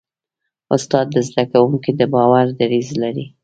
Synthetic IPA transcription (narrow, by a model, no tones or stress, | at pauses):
ʊst̪ɑd̪ːəzd̪akawuŋkid̪əbɑwaɾd̪aɾizlaɾi